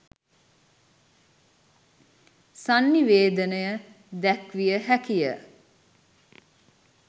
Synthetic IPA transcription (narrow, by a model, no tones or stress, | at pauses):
sanːiʋeːd̪ənəjə | d̪ækʋijəhækijə̰